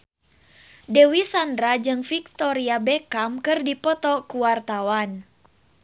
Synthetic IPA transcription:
dɛwisandɾad͡ʒɨŋfik̚t̪ɔɾiabɛkamkɨrdipɔt̪ɔkuwart̪awan

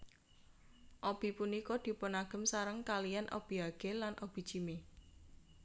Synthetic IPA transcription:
ʔɔb̥i̤punikɔd̪̥i̤ponaɡ̥ə̤msaɾəŋkalijanʔɔ̰b̥i̤ɦaɡ̥elanʔɔb̥i̤̥t͡ʃime

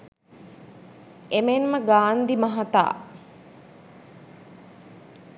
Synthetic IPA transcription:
emenməɡaːnd̪imɐɦat̪a̰ː

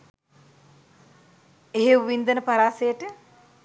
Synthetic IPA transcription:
eɦeʋʋind̪ənəpaɾaːsejəʈə

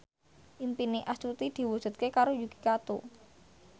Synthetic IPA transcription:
ʔimpineʔast͡ʃut̪id̪̥i̤wud̥ʒ̥ṳt̪̚kekaɾojuɡi̥kat̪u

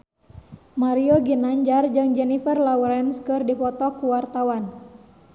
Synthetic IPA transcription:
maɾioɡinaɲd͡ʒard͡ʒɨŋd͡ʒɛnifərlauɾɛnskɨrdipɔt̪ɔkuwart̪awan

